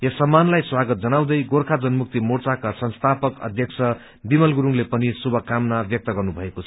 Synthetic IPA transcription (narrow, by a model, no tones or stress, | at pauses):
jʌsʌmːanlajswaɡʌt̪̚d͡zʌnaw̃d̪ʌjɡoɾkʰad͡zʌnmuk̚t̪imort͡sakasʌnst̪ʰapʌkʌ̰d̪ʱjʌk̚t͡sʰʌ | bimʌlɡuɾuŋlepʌnisubʱʌkamnabjʌk̚t̪ʌɡʌrnubʱʌekot͡sʰʌ̥